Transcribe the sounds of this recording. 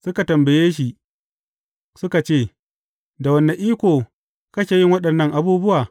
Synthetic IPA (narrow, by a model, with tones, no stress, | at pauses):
sʊ˦ka˨tɐ˨mbɐ˨jeː˦ʃi˨ | sʊ˦ka˨t͡ʃeː˦˨ | da˨wɐ˦nːa˨ʔiː˦kʷoː˨ | kɐ˦kʲeː˨jɪ˦ŋwɐ˦ɗɐ˨nːɐ˦˨ŋʔa˨buː˦bʊ˦waː˨